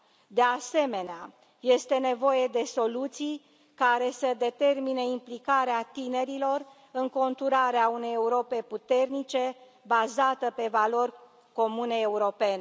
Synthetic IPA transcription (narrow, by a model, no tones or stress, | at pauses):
d̪ease̞me̞nea | je̞st̪e̞ne̞vo̞jed̪e̞so̞lut̪sij | kaɾe̞səd̪e̞t̪e̞rmineimplikaɾeat̪ine̞ɾilo̞r | ɨŋko̞nt̪uɾaɾeaune̞je̞uɾo̞pe̞put̪e̞rnit͡ʃe̞ | bazat̪əpe̞valo̞rʲ | ko̞mune̞ːuɾo̞pe̞ne